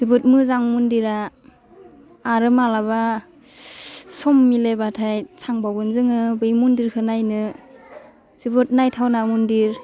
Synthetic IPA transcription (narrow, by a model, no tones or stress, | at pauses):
zibɯt̚mɯzaŋmundiɾa | ɾɯmalaba | sɔmːilebatʰajsʰaŋbawɡɯnzɯŋɯbɯjmundiɾkʰɯnajnɯ | z̥ibɯt̚najtʰawnamundiɾ